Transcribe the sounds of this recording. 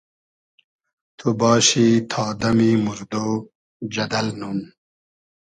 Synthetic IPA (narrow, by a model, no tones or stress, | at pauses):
t̪ʰubɑːɕit̪ʰɑːd̪ɐmimuɾd̪oː | d͡ʑɐd̪ɐlnun